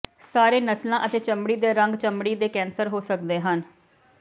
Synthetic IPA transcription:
saːɾeːnəslãːʔət̪eːt͡ʃəmɽiːd̪eːɾəŋɡt͡ʃəmɽiːd̪eːkɛːnsəɾɦoːsəkd̪eːɦən

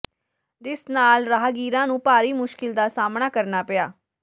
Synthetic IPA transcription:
d͡ʒɪsnaːlɾaːɦɡiːɾãːnũːpaːɾiːmʊʃkɪld̪aːsaːmnaːkəɾnaːpɪaː

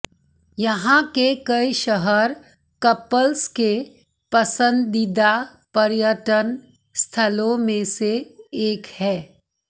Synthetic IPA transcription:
jɐɦãkekɐiʃəɦəɾ | kɐpəlske | pɐsə̃nd̪ːɪd̪a | pɐɾjəʈən | st̪ʰəlõmẽseeːkhɛː

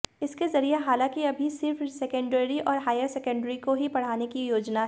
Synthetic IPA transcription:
ɪskezɐɾieɦaːlãːkiɐbʱisɪɾfsɛkə̃ɳɖəɾiʔɔːɾɦaːjəɾsɛkə̃ɳɖɾikoɦipɐɽ̤aːnekijoːd͡ʒnaɦ

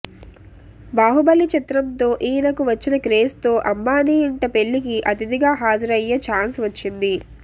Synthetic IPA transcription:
baːɦubɐlːit͡ʃit̪ɾɐmt̪o̞ːʔiːnɐkuʋɐt͡ʃːinɐkɾeːst̪o̞ːʔɐmːaːniːɳʈɐpe̞ɭːikiʔɐt̪id̪iɡaːɦaːd͡ʒɐɾɐjːɐt͡ʃaːnsʋɐt͡ʃːind̪i

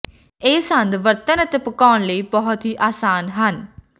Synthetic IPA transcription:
eːsənd̪ʋəɾt̪ənət̪eːpəkaːnləiːbəɦt̪ɦiːʔaːsaːnɦən

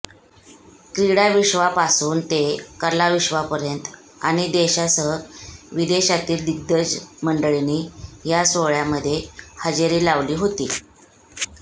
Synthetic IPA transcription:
kɾiɽaʋiʂʋapasuːnt̪ekəɾlaʋiɕʋapəɾjənt̪ | a̰ɽ̃id̪eɕasəɦəʋid̪eɕat̪iːld̪iɡ̚d̪əd͡zməɳɖəɭiniːjasʋoɭjaməd̪ʱːjehəd͡ʑeɾiːlaʋliːɦot̪iː

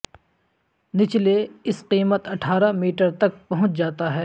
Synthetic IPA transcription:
nɪt͡ʃleɪsqiːmət̪ɐʈʰaːɾamiːʈəɾt̪ɐk̚pɐɦʊ̃t͡ʃd͡ʒaːt̪aɦɛː

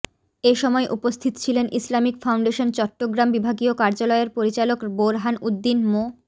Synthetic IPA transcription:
eʃɔmɔeʔupost̪ʰit̪o̥t͡ɕʰilenʔislamikfawɳɖeʃont͡ɕɔʈːoɡɾambibʱaɡiokaɾd͡ʑalɔeeɾpoɾit͡ɕalokboɾɦanud̪ːinmo

